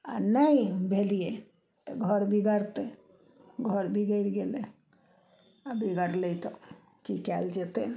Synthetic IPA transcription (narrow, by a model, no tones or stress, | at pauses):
a̰naibʱelije | t̪ɔɡʱəɾbʱiɡəɾt̪e | ɡʱəɾbʱiɡəɾɡele | abʱiɡəɾlet̪ɔ | kikɛld͡ʒet̪e